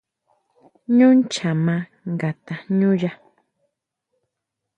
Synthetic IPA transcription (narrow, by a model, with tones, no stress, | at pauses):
ɲʊ˦nt͡ʃa˨mã˦ | ŋɡa˨t̪a˨ɲũ˦ja˦